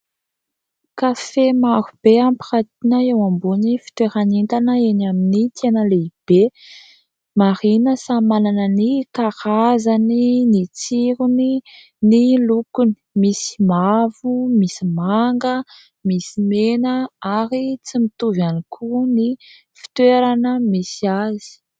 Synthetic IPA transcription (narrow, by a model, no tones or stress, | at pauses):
kafemaɾub̥eampirat̪inəewambunifi̥t̪weɾanint̪anəenaminit̪ʰenəleib̥e | maɾinəsamalanənikaɾazaninit͡siɾuni | nilukuni̥misi̥mavumisimaŋɡə | misimenəaɾit͡simit̪uvanikʰuni | fi̥t̪weɾanəmisiazi̥